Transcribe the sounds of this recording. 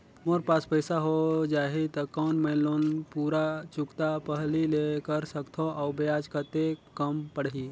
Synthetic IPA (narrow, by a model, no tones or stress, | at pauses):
moːɾpaːspəɪsaɦod͡ʒaːɦit̪ɐkɔːnmɛːloːnpuːɾat͡ʃʊkt̪apəɦlilekəɾsɐkt̪ʰoʔɔːbjaːd͡ʒkəɾt̪ekɐmpəɽɦiː